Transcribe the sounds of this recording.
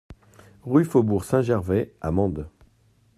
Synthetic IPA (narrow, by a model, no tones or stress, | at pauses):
ʁyfobuʁsɛ̃ʒɛʁvɛamɑ̃d̪